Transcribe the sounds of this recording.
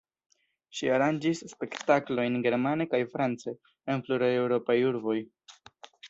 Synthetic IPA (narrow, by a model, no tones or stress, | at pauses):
ʃiaɾand͡ʒisːpe̞ktaklo̞jnɡe̞ɾmane̞kajfɾant͡seː | npluɾajewɾo̞pajuɾbo̞j